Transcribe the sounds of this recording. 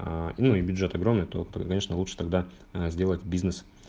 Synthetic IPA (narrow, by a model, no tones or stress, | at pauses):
nuɪbʲʊdʐɛt̪ɐɡɾo̞mnɨjt̪o̞kɐne̞ʂnəlˠuʂɨ̥t̪ɐɡ̚d̪a | zʲdʲe̞lˠətʲbʲiznɨs